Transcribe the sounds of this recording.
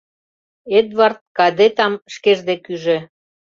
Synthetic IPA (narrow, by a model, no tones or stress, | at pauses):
ed̪vɑrt̪̚kɑd̪et̪ɑmʃkeʒd̪ekyʒĕ